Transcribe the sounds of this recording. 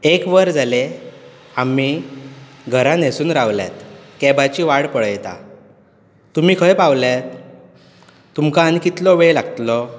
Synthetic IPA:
ekʋəɾd͡zale | ami | ɡʱəɾãnesuːnɾaʋlja̰t̪kɛbat͡ɕiːʋaɽpəɭjt̪a̰ | t̪um̤iːkʰəjpaʋljat̪̚ | umkãːnikit̪lɔʋelaɡət̪lɔ

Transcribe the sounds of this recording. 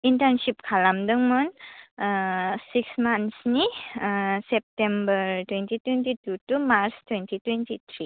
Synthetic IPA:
intənsip̚kʰalamdɨŋmunəsiksmansniəsɛp̚tɛmbəɾtwɛntitwɛntitutumaɾstwɛntitwɛntit̪ʰɾi

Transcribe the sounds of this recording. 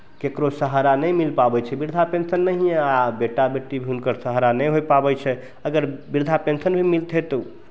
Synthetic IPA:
kekɾosəɦɾanəjmilpabɛt͡ʃʰɛbiɾd̪ʱapensənːəɦieabeʈabeʈːibʱiɦunkəɾsəɦɾanəjɦojpabɛt͡ʃʰɛ | əɡəɾbiɾd̪ʱapensənbʱimilt̪ɦɛt̪o

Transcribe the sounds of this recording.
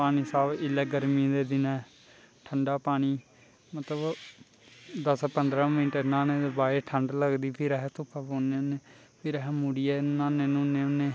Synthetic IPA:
paːniːsaːʋɪleːɡəɾmĩd̪eːd̪ɪnɛː | ʈʰəɳɖaːpaːɽ̃iː | mət̪ləb | d̪əspənd̪ɾãːmɪ̃ʈənãːnẽːd̪eːbaːeʈʰəɳɖləɡd̪iːpʰɪɾɛɦt̪ʊpʰːaːboːneːʊnẽː | pʰɪɾɛɦmuːɽiːɛːnãːnẽːnũːnẽːʊnːeː

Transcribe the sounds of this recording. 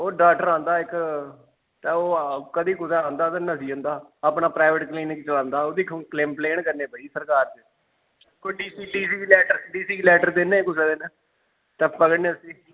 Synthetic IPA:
oːɖaːʈəɾãːnd̪aːɪk | t̪ɛːoːkəd̪iːkʊsaːãːnd̪aːt̪ẽːnəsiːõːnd̪aːapɳaːpɾaːɪʋəʈkliːnkt͡ʃəlãːnd̪aːoːd̪iːkːkleːmpleːɳkəɾneːpaːiːsəɾkaːɾd͡ʒe | koiɖiːsiːɖiːsiːlɛːʈəɾɖiːsiːlɛːʈəɾd̪enẽkʊseːd̪ɪnː | t̪ɛːpəɡəɽneːəsĩː

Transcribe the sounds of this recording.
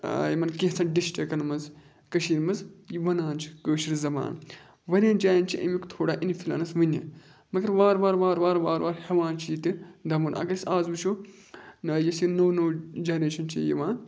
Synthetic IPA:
jimɐnkiɦt͡sʰɐɖisʈɐkɐnmɐz | kɐʃiːnmɐzjiʋɐnaːnt͡ʃʰi̥kəːʃiɾzɐma̰ːn | ʋɐɾʲãːnd͡ʒaːjint͡ʃʰiʔɐ̰mʲikt̪ʰoːɽaːʔinfʰʲilɐ̰nɐsʋɨnʲḭ | mɐɡɐɾʋaːɾʋaːɾʋaːɾʋaːɾʋaːɾʋaːɾhɐʋãːnt͡ʃʰiːt̪ɨd̪ɐmunɐ̰ɡɐɾisaːzʋuʃʰu | nɐjɐsjinoːwnoːd͡ʒɐnɾeːʃɐnt͡ʃʰḭjḭʋaːn

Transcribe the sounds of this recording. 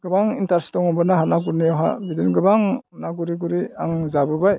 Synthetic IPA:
ɡ̥ɯbaŋintaɾstɔŋɔmbɯnaɦanaɡuɾnijɔɦa̰bidinɡɯbaŋnaɡuɾiɡuɾiaŋzabɯbaj

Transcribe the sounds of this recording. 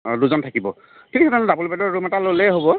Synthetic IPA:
duzɔntʰakibɔ | kʰinisɛtalɛdabolbɛdɔɹɹumɛtalolɛɦobɔ

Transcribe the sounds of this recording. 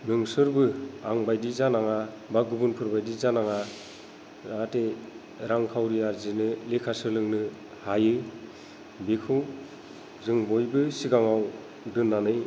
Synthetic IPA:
mɯŋsɯɾbɯaŋbajdizanaŋa | baɡubunpʰɯɾbajdizanaŋa | ate | ɾaŋkʰawɾiaɾzinɯlekʰasɯlɯŋnɯ | hajɯ | bekʰɯw | zɯŋbojbɯsiɡaŋaw | dɯnːanɯj

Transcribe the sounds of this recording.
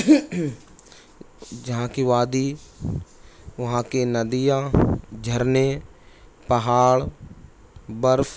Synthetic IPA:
d͡ʒɐɦãkiʋaːd̪iː | ʋɐɦãkenɐd̪ijãd͡ʒʱəɾne | pɐɦaːɭ | bəɾf

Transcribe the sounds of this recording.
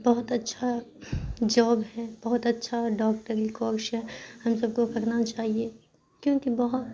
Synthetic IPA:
bɐɦʊt̪ɐtːʃʰa | d͡ʒoːbɦɛbɐɦʊt̪ɐtːʃʰaɖɔːk̚ʈəɾikɔːɾʃɦɛ̃hɐmsɐb̚kokɐɾnat͡ʃaːɦie | kjõːkibɐɦʊt̪

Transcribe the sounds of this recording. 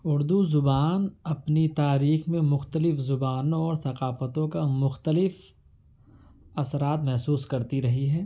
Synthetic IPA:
ʊɾd̪uzʊbaːnɐpnit̪aːɾiːxmẽmʊxt̪əlɪfzʊbaːnõɔːɾθɐqaːfət̪õkamʊxt̪əlɪf | ɐsɾaːt̪mɛɦsuːskɐɾt̪iɾɐɦiɦɛː

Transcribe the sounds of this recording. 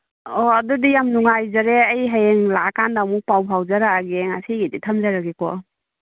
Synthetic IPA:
ɔadɔdijamnuŋajzaɾeəjɦajeŋlakandamuk̚pawpʰawzaɾaːɡeŋasʰiɡiditʰamzaɾaɡekɔ

